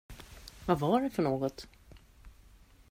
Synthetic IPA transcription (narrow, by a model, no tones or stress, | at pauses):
vavaɖɛfœɳoːɡɔt̪